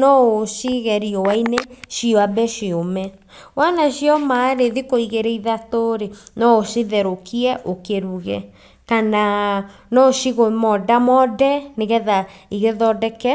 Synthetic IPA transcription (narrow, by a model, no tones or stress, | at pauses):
nɔoʃiɣɛɾiɔwaineʃioabɛʃiomɛ | wanaɕiɔmaɾeðikoiɣeɾeiðatoɾenɔosiðɛɾokiɛʔokeɾuɣɛ̰ | kana | nɔʃiɣomɔdamɔdɛneɣɛðaiɣeðɔdɛkɛ